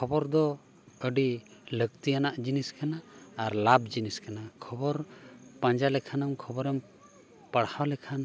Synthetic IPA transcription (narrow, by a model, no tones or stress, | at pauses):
kʰɔbɔɾd̪ɔ | əɖiləɡ̚t̪ijanaʔd͡ʒiniskanaːɾlabd͡ʒiniskanakʰɔbɔɾpaɲd͡ʒalɛkʰanamkʰɔbɔɾɛm | pəɽawlɛkʰan